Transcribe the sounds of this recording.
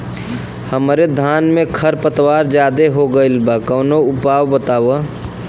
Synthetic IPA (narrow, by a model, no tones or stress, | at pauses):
həmɾed̪ʱaːnmẽkʰəɾpət̪waːɾd͡ʒjaːd̪eɦoɡəɪlbakəːnoʊpaːwbət̪aːwə